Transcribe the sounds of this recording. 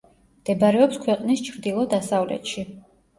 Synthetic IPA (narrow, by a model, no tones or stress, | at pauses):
md̪̥ɛbaɾɛɔpskʰwɛqʼnist͡ʃʰɾd̪ilˠɔd̪asavlɛ̰t̪ʃi